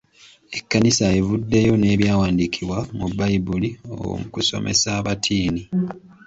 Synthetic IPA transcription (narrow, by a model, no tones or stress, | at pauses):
e̞kːanisaevudːejo̞ne̞ːβjaːwaːndikʰiβwamubajibulio̰mukuso̞̰mʔe̞̰saːβatʰiːni